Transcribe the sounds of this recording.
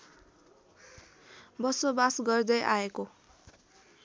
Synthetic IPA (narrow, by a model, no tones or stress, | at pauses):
bʌsobasɡʌrd̪ʌjʔaeko